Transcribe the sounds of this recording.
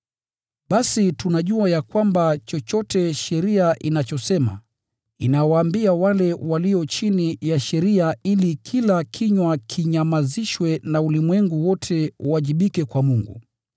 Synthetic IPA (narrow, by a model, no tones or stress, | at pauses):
ɓasitunaʄuajakwambat͡ʃɔt͡ʃɔtɛʃɛɾiaʔinat͡ʃɔsɛma̰ | inawaːmbiawalɛwaliɔt͡ʃinijaʃɛɾiailikʰilakʰiɲwakʰiɲamaziʃwɛnaulimwɛŋɡuwɔtʰɛwaʄiɓikɛkwamuŋɡṵ